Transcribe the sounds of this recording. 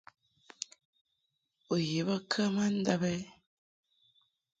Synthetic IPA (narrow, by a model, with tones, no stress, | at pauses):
o˨je˨βə˦kʰə˦ma˦n̩˦da˦bɛ˦